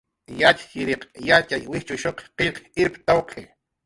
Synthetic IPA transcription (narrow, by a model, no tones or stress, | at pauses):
jat͡ʃḁɪɾeqjat͡ʃajwɪht͡ʃʊʃoqqeʎqɪɾpt̪awqʰe